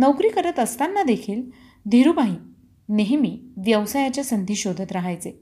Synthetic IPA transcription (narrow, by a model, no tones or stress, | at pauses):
nəwkɾiːkəɾət̪əst̪anːad̪ekʰiːl | d̪ʱiɾubaɦĩː | neɦemiːʋjəʋsajat͡ɕjasənd̪ʱiːɕod̪ʱət̪ɾaɦajt͡se